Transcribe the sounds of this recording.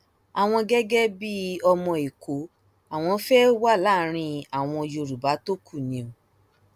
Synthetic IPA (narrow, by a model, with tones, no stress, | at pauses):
a˨w̃ɔ̃˧ɡɛ˦ɡɛ˦bi˦ɔ˧mɔ̃˧i˨ko˨˦ | a˨w̃ɔ̃˧˦fɛ˦wa˦˨la˦˨ɾ̃ĩ˧a˨w̃ɔ̃˧o˧jo˧˨ɾu˨ba˨˦to˦kʰu˦˨nĩ˨o˨